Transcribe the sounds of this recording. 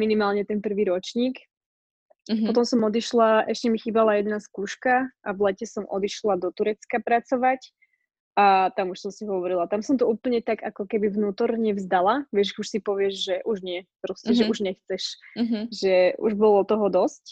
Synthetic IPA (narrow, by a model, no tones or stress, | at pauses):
minimaːlɲɛt̪ɛnpr̩ʋiːɾɔt͡ʃɲiːk | pɔt̪ɔmsɔmɔd̪iʃlaʔɛʃcɛmixiːbalajɛd̪naskuːʃkaʔavlɛcɛsɔmʔɔ̰d̪iʃlad̪ɔt̪uɾɛt͡skapɾat͡sɔʋac | at̪amuʃsɔmsiɦɔʋɔɾilat̪amsɔmt̪ɔuːpl̩ɲɛt̪aɡakɔkɛbivnuːt̪ɔɾɲɛvzd̪alaʋɪɛʒuʃsipɔʋɪɛʒʒɛʔuʒɲɪɛpɾɔscɛʒɛuʒɲɛxt͡sɛʃʒɛʔṵʒbɔlɔt̪ɔɦɔd̪ɔsc